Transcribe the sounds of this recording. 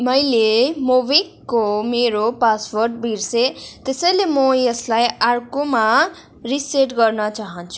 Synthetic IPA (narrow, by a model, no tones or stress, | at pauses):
mʌjlemobikːomeɾopasworʈbʱiɾset̪esʌjlemʌjeslajaɾkoma | riseʈɡʌrnʌt͡saɦʌnt͡sʰu̥